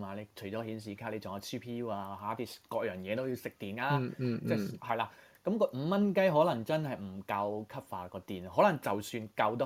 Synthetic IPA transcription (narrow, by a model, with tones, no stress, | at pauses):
aː˧le˨˧jt͡ʃʰɵ˨˩jt͡ʃɔː˨˥hiː˨˥ns̬iː˨˩kʰaː˥le˨˧jt͡sɔː˨˩a˨˧tʰiː˥pʰiː˧juː˥aː˧ɦaː˨˥t̪i˧kɔː˧k̚jœː˨˩ŋjɛː˨˧t̪o˥wjiː˨˧wsɪ˨k̚t̪iː˨˩naː˧t͡sɛː˥˩hɐ˨jlaː˧ | kɐ˨˦˥mkɔː˧m̩˨˧mɐ˥nkɐ˥jɦɔː˨˥lɐ˨˩ŋt͡sɐ˥nɦɐ˨jm̩˨˩kɐ˧wkʰɐ˥p̚faː˧kɔː˧t̪iː˨˩nɦɔː˨˥lɐ˨˩ŋt͡sɐ˨wsyː˧nkɐ˧wt̪ɔ˥